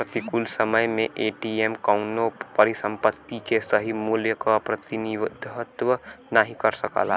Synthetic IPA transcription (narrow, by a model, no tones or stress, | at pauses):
ɾət̪ikʊlsəməjmẽʔeːʈiemkaʊnopɐɾisə̃mpət̪ːikesəɦimuːljəkapɾət̪iniʋd̪ʱɦət̪wənaɦikɐɾsɐka̰ːla